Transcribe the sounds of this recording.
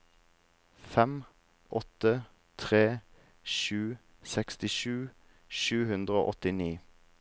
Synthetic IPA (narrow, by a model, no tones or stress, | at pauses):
fɛm | ʔɔt̪ə | t̪ʰʁeː | ʃʉː | sɛkst̪ɪʃʉː | ʃʉːhʉnd̪ʁəo̰ːʔɔt̪ɪniː